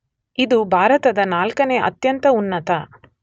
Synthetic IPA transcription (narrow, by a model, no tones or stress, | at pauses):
id̪ubʱaːɾɐt̪ɐd̪ɐnaːlkɐneːʔɐ̰t̪jɐnt̪ɐunːɐt̪ɐ